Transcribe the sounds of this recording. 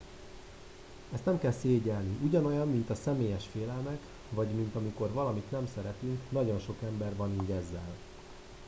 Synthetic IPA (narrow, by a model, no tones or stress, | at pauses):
ɛst̪nɛmkɛlseːɟɛlniʔuɟɒno̞jɒmːin̪t̪ɒsɛmeːjɛʃfeːlɛlmɛk | vɒɟmint̪ɒmiko̞rvɒlɒmit̪nɛmsɛɾɛt̪yŋknɒɟo̞nʃo̞kɛmbɛrvɒniːɟɛzːɛl